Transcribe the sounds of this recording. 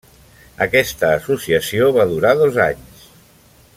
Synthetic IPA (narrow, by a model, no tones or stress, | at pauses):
əkɛst̪əːsusiəsioβaðuɾaðoza̰ɲs